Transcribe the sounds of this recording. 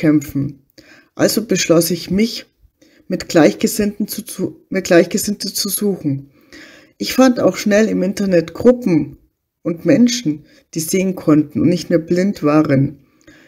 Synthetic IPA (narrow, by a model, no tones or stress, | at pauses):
ɛmfn̩ | ʔa̰lzobəʃlɔsɪçmɪç | mɪtɡ̥laɪçɡ̥əzɪntn̩mɪt̚ɡ̥laɪçɡ̥əzɪntət͡suzuːxn̩ | ʔɪçfanda̰ʊxʃnɛlɪmʔɪntɐnɛtɡ̥ʁʊpm̩ | ʔʊntmɛnʃn̩ | d̥iːzeːənkʰɔntn̩ʊ̰ntnɪçtmeːɐblɪntv̥aːʁən